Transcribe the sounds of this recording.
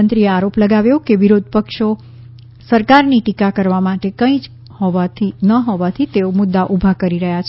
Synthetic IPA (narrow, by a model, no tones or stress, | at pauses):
ənt̪ɾieaɾopləɡaʋjokeʋiɾod̪̚ʱpəkʃo | səɾkaɾniʈikakəɾʋamaʈekə̃ĩd͡ʒ | hɔʋat̪ʰinəɦoʋat̪ʰit̪eomʊd̪ːaʔubʱakəɾiɾəɦjat͡ʃʰ